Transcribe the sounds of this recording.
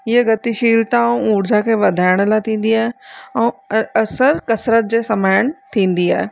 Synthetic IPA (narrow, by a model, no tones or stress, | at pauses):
ɪəɡɐt̪iʃiːlt̪ãũũːɽd͡ʑakʰeːʋɐd̪ʱaːɪɽ̃əlat̪ʰĩːn̆d̪iaːɦeɛ̃ːɐsəɾkɐsɾət̪̚d͡ʑeːsɐmaːɪɽ̃t̪ʰĩːn̆d̪iaːɦeː